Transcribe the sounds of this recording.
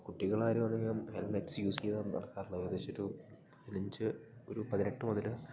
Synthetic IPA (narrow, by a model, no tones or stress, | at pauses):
kuʈːiɣɐɭaːjɾumʋɐnːeŋːiɐmhelmetsɨjuːseðanɐ̰ɭkːaːɾɭːɐiɐd̪eːɕoɾupɐðinɐɲd͡ʑɨo̞ɾupɐðineʈːɨmoðɐl